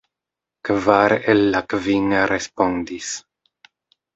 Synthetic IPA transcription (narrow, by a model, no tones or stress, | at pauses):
kvaɾelːakviŋaɾespond̪is